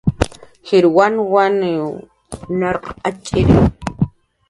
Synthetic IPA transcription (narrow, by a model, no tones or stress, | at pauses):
xiɾwanwan | naɾqat͡ʃʼiɾi